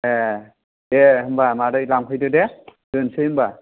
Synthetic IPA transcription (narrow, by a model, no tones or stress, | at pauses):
e | deɦɯmbamaɾɯjlamkʰɯjdɯdɛd̥ɯnsɯhɯmba